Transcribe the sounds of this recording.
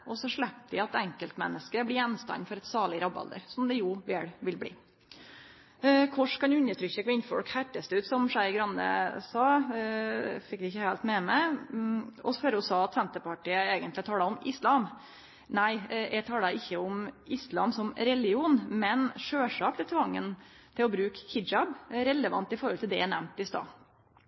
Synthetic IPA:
ʔɔsɔʂɭɛp̚d̪ɪɑt̪ɛŋkəlt̪mɛ̰nːəskəɾəblɪjɛnst̪ɑ̰nːfɔɾɛt̪sɑːɭɪɾɑbɑ̰ld̪ə̰ɾsɔmd̪ɛjʊʋeːɽʋɪlblḭː | kʰɔʂkɑnʉnːət̪ʰɾʏçːəkʰʋɪnfɔ̰lkhæʈːəst̪əʉːt̪sɔmʂæɪɡɾɑnd̪ə̰sɑː | fɪkd̪ɪɪçəhæːlt̪mɛːmɛ | ɔsføɾɔsɑːɑt̪sɛnt̪əpɑʈiːəeːɡənt̪lɪt̪ʰɑːləʊmɪslɑːm | næɪjæt̪ʰɑːləɪçːəʊmɪslɑ̰ːmsɔmɾɛlɪuːnmɛnʂøːʂɑːkt̪ʰɪlt̪ʰʋɑŋːə̰nt̪ʰɪlɔbɾʉːkhɪɑbɾɛləʋɑ̰nt̪ɪfɔɾhɔlt̪ʰɪld̪ɛ̰ænæ̰mnt̪ɪst̪ɑ̰ː

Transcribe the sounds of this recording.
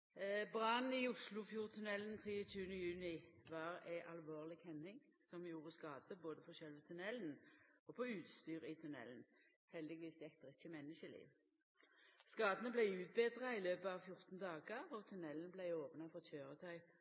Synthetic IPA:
bʁɑn̩iʊslʊfjuːʁt̪ʰʉnɛlənt̪ʰʁiːət͡ʃʉːənəjʉːnɪʋɑːʁæɪʔɑlʋoːʁlɪɡhɛnɪŋsɔmjuːʁəskɑːd̪əboːd̪əpʰɔɕœlʋət̪ʰʉnɛlnɔpʰɔʉːt̪st̪yːʁɪt̪ʰʉnɛ̰lən | hɛld̪ɪɡʋiːsjɛkt̪əʁɪçəmɛnːəʃəlḭːʋ | skɑːd̪ənəblæɪʉːt̪̚beːd̪ʁɑɪløːpəɑʋfjʊʁt̪n̩d̪ɑːɡəʋɔt̪ʰʉnɛlənəblæɪoːpnɑfɔʁc͡çʰøːʁət̪ʰœʏ

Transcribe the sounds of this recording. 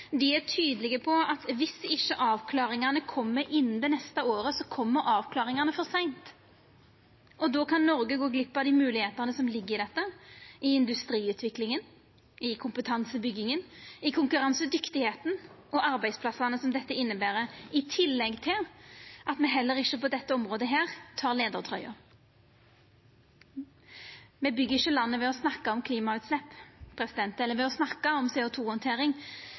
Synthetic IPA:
d̪ɪæʈ̪ʰyːd̪əlɪɡəpʰɔɑt̪ʋɪsɪʃːəʔɑːʋkʰlɑːɾɪŋɑnəkʰɔmːəɾʔɪnːd̪ɛnɛst̪əoːɾəsɔkʰɔmːəɾɑːʋkʰlɑːɾɪŋɑnəfɔsæɪnt̪ | ʔɔd̪oːkʰɑnːɔɾɡəɡoːɡlɪpːɑd̪ɪmʉːlɪheːt̪əʁnəsɔmlɪɡːəɾɪd̪ɛt̪ːəɪɪnd̪ʉst̪ɾiːʉːt̪ʰʋɪklɪŋən | ɪkʰʊmpət̪ʰɑnsəbʏɡːɪŋənɪkʰʊŋkʉɾɑnsəd̪ʏkt̪ɪheːt̪n̩ | ɔʔɑɾbæɪspʰlɑsɑnəsɔmd̪ɛt̪ːəɪnːəbæːɾəɪt̪ʰɪlːɛɡt̪ʰɪlʔɑt̪mɛɦɛlːəɾɪʃːəpɔd̪ɛt̪ːəɔmʁoːd̪əɦeːʁt̪ʰɑːʁleːd̪əʁt̪ʰɾœʏɑ̰ | mɛbʏɡːəʁɪʃəlɑnːəʋɛɔsnɑkːɑɔmkʰliːmɑʉːt̪slɛpːpʰʁɛsɪd̪ɛnt̪ɛlːəɾʋɛɔsnɑkːɑɔmseːʊt̪ʰuːhɔnt̪ʰeːɾɪŋ

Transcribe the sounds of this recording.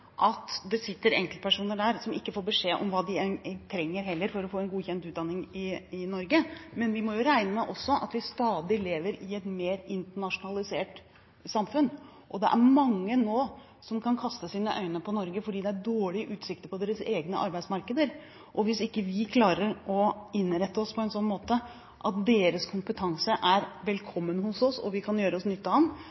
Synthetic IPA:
ʔɑt̪d̪ɛsɪt̪ːəɾɛŋklt̪pæʂuːnəɖæːɾsɔmɪkːəfoːɾbəʂeːʔɔ̰mʋɑːd̪ɪɛt̪ʰɾɛŋːəɾɦɛlːəɾfɔɾɔfoːɛnɡuːçɛnt̪ʉːt̪̚d̪ɑnːɪŋɪɪnɔɾɡəmɛnʋɪmɔjʊɾæɪnəmɛʔɔsːɔʔɑ̰t̪ʋɪst̪ɑːd̪ɪleːʋəɾɪɛt̪meːɾɪnt̪əɳɑʂʊnɑlɪseːʈ | sɑmfʉn | ʔɔd̪ɛʔæ̰ɾmɑŋːənoː | sɔmkʰɑnkʰɑst̪əsiːnəʔœ̰ʏnəpʰɔnɔɾɡəfɔɖiːd̪ɛæɖoːɭɪʔʉːt̪sɪk̚t̪əɾpʰɔd̪eːɾəseːɡnə̰ʔɑ̰ɾbæɪsmɑɾkəd̪əɾ | ʔɔʋɪsɪkːəʋɪkʰlɑːɾəɾɔɪnɾɛt̪ːəɔspʰɔɛnsɔnːmoːt̪ə | ʔɑt̪̚d̪eːɾəskʰʊmpət̪ʰɑŋsəʔæɾʋɛlkʰɔmːənhʊsɔsɔ̰ʋɪkʰɑnjøːɾəɔsnʏt̪ːɑm

